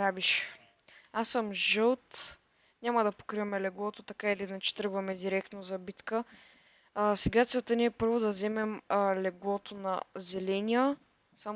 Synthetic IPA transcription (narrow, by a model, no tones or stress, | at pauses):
ɾabiʃ | asːəmʒɤlˠt̪ | nʲamɐd̪ɐpo̥kɾiɐmɛlɛɡlˠɔt̪ot̪ɐkailinat͡ʃɛ̥t̪ɾɤɡvɐmɛd̪iɾɛkt̪nozɐbit̪kə | sɛɡat̪sɛt̪əniɛpɤɾvod̪ɐzɛmɛmlɛɡlˠɔt̪onɐzɛlɛnʲiə | sam